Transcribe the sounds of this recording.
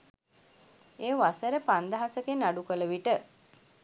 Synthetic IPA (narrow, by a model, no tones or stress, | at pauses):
eːʋasəɾəpand̪əɦasəkenːaɖukələʋiʈə